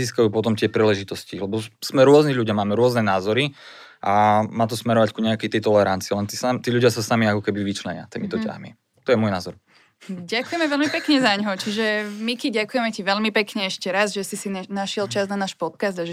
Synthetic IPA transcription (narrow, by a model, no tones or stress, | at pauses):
iːskajuːpɔt̪ɔmt̪ɪɛpɾiːlɛʒit̪ɔscilɛbɔz̥mɛɾʊɔzniɣʎuɟɪjamaːmɛɾʊɔznɛnaːzɔɾi | ʔamaːt̪ɔsmɛɾɔʋackuɲɛakɛjt̪ɛjt̪ɔlɛɾant͡siːlɛnt̪isamt̪iːʎuɟɪasasamiakɔkɛbiʋit͡ʃlɛɲɪa̰t̪iːmit̪ɔca̰ɦmi | t̪ɔjɛmʊɔjnaːzɔɾ | ɟakujɛmɛʋɛʎmipɛkɲɛzaɲɦɔt͡ʃiʒɛmikiɟakujɛmɛciʋɛʎmipɛkɲɛɛʃcɛɾazʒɛsisinaʃɪɛlt͡ʃaznanaːʃpɔt̪kazd̪aʒɛ